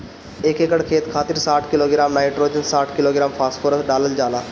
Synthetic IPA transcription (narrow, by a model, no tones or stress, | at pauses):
eːkekəɽkʰeːt̪kʰaːt̪ɪɾsaːʈʰkɪloːɡɪɾaːmnaːɪʈɾoːd͡ʒənsaːʈʰkɪloːɡɪɾaːmpʰaːsʈfʰoːɾəsɖaːləld͡ʒaːlaː